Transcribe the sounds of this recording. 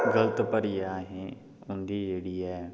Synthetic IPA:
ɡɐlət̪pəɾiaːɦẽ | ʊ̃ːnd̪id͡ʒeːɽiaː

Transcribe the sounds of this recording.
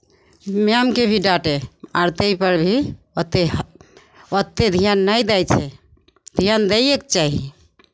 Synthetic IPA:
meamkebʱiɖaʈea̰ɾt̪əjpəɾbʱi | ət̪ːe | ət̪ːed̪ʱijanːəjd̪ajt͡ʃʰɛ | d̪ʱijand̪ejekt͡ʃaɦi

